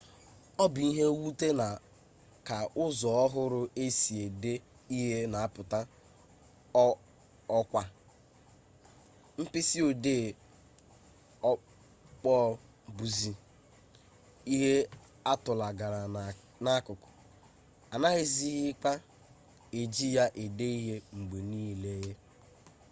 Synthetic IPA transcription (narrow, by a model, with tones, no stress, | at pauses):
ɔ˦bi˦ɦe˦wu˦te˦na˨ | ka˨ʔʊ˦zɔ˨ɔ˦ɦʊ˦ɾʊ˦e˦si˨e˨de˦ | i˦ɦe˦na˨a˦˨pʊ˨ta˦ | ɔ˦kʷa˦ | m̩˦pɪ˦si˦o˨deː˦˨ | ɔ˦ | k͡pɔː˦˨ | bu˨zi˨ | i˦ɦe˦ | a˦tʊ˨la˨ɡa˨ɾa˨ | na˨˦kʊ˨kʊ̥˨ | a˨na˦ɣɪ˦zi˦ɦɪ˦k͡pa˦ | e˨d͡ʒi˦ja˦ʔe˨de˦i˦ɦe˦ŋ͡m̩˨ɡ͡be˨niː˦le˦ɦe˦